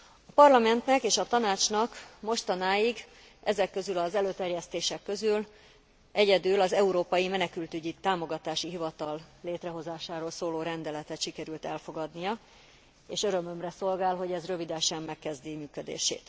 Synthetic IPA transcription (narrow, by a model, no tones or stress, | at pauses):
ɒpɒrlɒmɛnt̪nɛkeːʃɒt̪ɒnaːt͡ʃnɒkmo̞ʃt̪ɒnaːjiɡ | ʔɛzɛkːø̞zylɒzɛløːt̪ɛrjɛst̪eːʃɛkːø̞zyl | ʔɛɟɛd̪ylɒzɛuɾoːpɒjimɛnɛkylt̪yɟit̪aːmo̞ɡɒt̪aːʃiɦivɒt̪ɒlleːt̪rɛɦo̞zaːʃaːɾoːlsoːloːɾɛnd̪ɛlɛt̪ɛt̪ʃikɛɾylt̪ɛlfo̞ɡɒd̪nijɒ | eːʃøɾø̞mø̞mrɛso̞lɡaːlɦo̞ɟɛzrø̞vid̪ɛʃɛmːɛkːɛzd̪imyːkød̪ḛːʃḛːt̪